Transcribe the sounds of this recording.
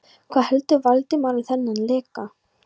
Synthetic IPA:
kʰv̥aðhɛlt̪ʏvalt̪ɪmaːɾaθɛnːanlɛːka

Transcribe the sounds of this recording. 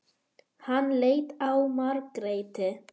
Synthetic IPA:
hanːleːjt̪awmaɾkɾeːjt̪ɪ

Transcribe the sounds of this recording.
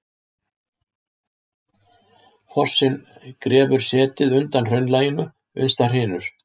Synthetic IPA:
fʰɔr̥sɪnkɾɛːvʏɾ̥sɛːt̪ɪðʏnt̪anr̥œɥnlaːjɪnʏ | ʏ̰nst̪ar̥ɪːnʏɾ̥

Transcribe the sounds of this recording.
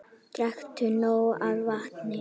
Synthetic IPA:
t̪ɾɛxt̪ʏnoːwaðvaht̪nɪ

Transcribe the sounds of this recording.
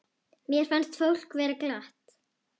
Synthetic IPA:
mjɛɾ̥fanst̪fowl̥kvɛːɾak̪aht̪

